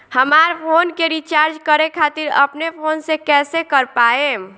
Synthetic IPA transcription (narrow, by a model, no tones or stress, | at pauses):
həmaːɾpʰoːnkeɾit͡ʃaːɾd͡ʒkəɾekʰaːt̪ɪɾɐ̰pnepʰoːnsekɛːsekəɾpaːẽː